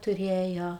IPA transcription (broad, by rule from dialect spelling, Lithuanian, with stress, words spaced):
tʊˈrʲeːjoː